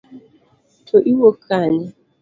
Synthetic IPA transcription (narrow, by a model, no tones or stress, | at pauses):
tʰoʔiwokʰaɲɛ